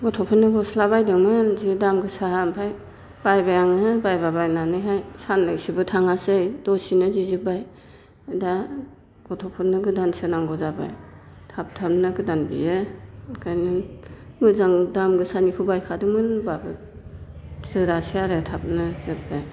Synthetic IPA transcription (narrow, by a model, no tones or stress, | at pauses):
ɡɔtʰɔpʰɯnːɯɡɔslabajdɯŋmɯnzidamɡɯsaɦampʰaj | b̥ajbajaŋɯbajbabajnanɯjɦajsanlaksibɯtʰaŋasɯjdɔsinɯzizɯbaj | da | ɡ̥ɔtʰɔpʰɯnːɯɡɯdansɯnaŋɡɔzaba̰j | tʰap̚tʰap̚nɯɡɯdanbḭjɯkʰajnɯmɯzaŋdamɡɯsanikʰubajkʰadɯmɯnbabɯ | tʰɾɯɾasiaɾɯtʰap̚nɯzɯp̚baj